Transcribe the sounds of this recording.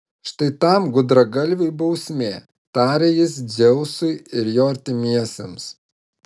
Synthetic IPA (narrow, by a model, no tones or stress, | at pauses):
ʃt̪ɐɪt̪ɐˑmɡʊd̪ɾɐɡɐlʲʋʲʊɪbɐʊsʲmʲeː | t̪ɑːɾʲejɪs̬d͡zʲɛʊsʊɪɪɾjoːɐɾʲt̪ʲɪmʲiɛsʲems